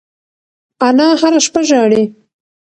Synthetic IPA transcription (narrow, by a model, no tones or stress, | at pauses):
anɑhaɾaʃpaʒɑɽe